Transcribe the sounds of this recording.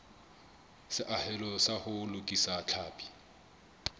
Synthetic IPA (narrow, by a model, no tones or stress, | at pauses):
sɪʔahɛlɔsahʊlʊkʼisat͡ɬʰaːpʼi̥